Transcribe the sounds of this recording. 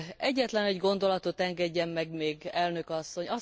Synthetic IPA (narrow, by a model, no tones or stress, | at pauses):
ɛɟːɛt̪lɛnɛɟɡo̞nd̪o̞lɒt̪o̞t̪ɛŋɡɛɟːɛmːɛɡmeːɡɛlnø̞kɒsːo̞ɲɒ